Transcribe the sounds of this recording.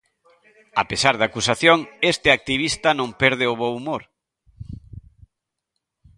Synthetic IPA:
a̰pesaɾðakusaθjoŋest̪ɪak̚t̪iβist̪ɐnõmpɛɾð̞ɪʊβowumoɾ

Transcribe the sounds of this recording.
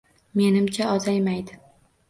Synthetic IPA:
me̞nɪmt͡ʃʰaɒzajmajd̪ɪ

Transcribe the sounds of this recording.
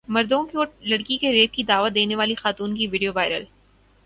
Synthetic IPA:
mɐɾd̪õkeoːlɐɽkikeɾeːk̪̚kid̪aːʋəd̪eːneʋaːlixaːt̪uːnkiʋɪɖijoʋaːɪɾə̰l

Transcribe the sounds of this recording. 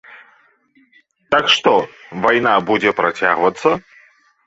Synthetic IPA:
t̪akʂt̪ɔvajnabud͡zʲɛpɾat͡sʲa̰ɣvɐt̪sːɐ

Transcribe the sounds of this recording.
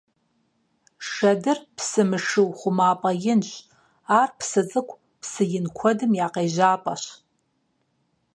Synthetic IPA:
ʂɐdɨrpʰsɨmɨʂɨwχʷʊmaːpʼɐjɪnɕ | aːrpʰsɨt͡sʼɨkʷʰʼ | pʰsɨjɪnkʷʰɔdɨmjaːqejʒaːpʼa̰ʃ

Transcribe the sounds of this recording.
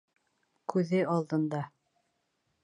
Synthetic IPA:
kʉðɘɑlˠd̪ɤ̆nd̪ɑ

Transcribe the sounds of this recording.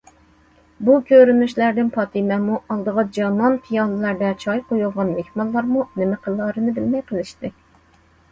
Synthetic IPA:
bukʰʲøɾynyʃlæɾd̪ɪnpʰɑt̪ʰimɛmuɑlˠd̪əʁɑd͡ʒɑnɑnpʰijɑlˠɨlˠɑɾd̪ɛt͡ʃʰɑjqʰojulˠʁɑnmehmɑlˠːɑɾmunɪmɪqʰəlˠːɑɾɨnɨbɪlmɛjqʰəlˠɪʃt̪ɪ

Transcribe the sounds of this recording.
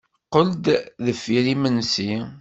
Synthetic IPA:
qəld̪ðəfːiɾimənsi

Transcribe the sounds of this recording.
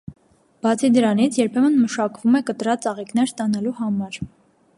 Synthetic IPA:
b̥ɑt͡sʰid̪əɾɑnit͡sʰjɛɾpʰɛmənməʃɑkvumɛkət̪ɾɑt͡sɑʁiknɛɾst̪ɑnɑluhɑmɑɾ

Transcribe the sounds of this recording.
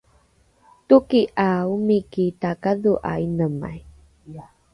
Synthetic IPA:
tukiʔaumikitakaðuʔa̰inəma̰j

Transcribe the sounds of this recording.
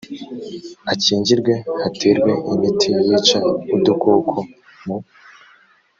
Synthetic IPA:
aciːɲɟiɾɡwe̞hatʰiɾɡwe̞imitʰiwit͡ʃaudukoːkʰo | mu

